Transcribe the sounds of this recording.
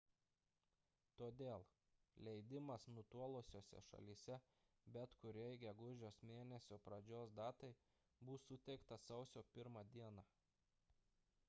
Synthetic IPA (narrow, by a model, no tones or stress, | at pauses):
t̪oːd̪ʲeːlˠ | lʲɛɪd̪ʲɪmɐsnʊt̪uɔlˠosʲoːsʲɛ̰ʃɐ̰lʲiːsʲɛ | bʲɛt̪kʊɾʲɛjɡʲɛɡʊʒʲoːsmʲeːnʲɛsʲoːpɾɐd͡ʒʲoːsd̪ɑːt̪ɐɪ | bʊsʊt̪ʲɛɪkt̪ɐsɒʊsʲoːpʲɪɾmɑːd̪ʲiɛnɑ